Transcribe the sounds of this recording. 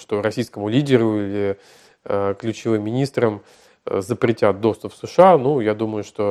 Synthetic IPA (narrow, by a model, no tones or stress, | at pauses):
ʂt̪o̞ɾɐsʲijskəmʊlʲidʲɪɾʊilʲɪ | əklʲʉt͡ɕɪvɨmʲːɪnʲist̪ɾəm | zəpɾʲɪtʲat̪̚d̪o̞st̪ʊpsɨʂɨanujad̪uməjʊʂt̪o̞